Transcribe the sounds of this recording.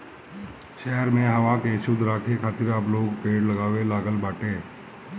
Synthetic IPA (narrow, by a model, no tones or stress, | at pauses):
ʃɛɦəɾmẽɦəʋãkeʃʊd̪ʱɾaːkʰekʰaːt̪ɪɾaːploːɡpeːɽləɡaːʋelaːɡəlbaːʈeː